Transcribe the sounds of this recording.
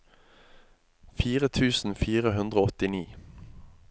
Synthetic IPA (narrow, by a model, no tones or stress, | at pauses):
fiːʁət̪ʰʉːsn̩fiːʁəɦʉnd̪ʁoːɔt̪ɪniː